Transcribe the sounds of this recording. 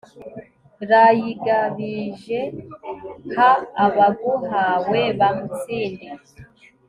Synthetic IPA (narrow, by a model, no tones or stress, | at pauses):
ɾajiɡaβiʒe̞ | haːβaɡuɦaweβamut͡sini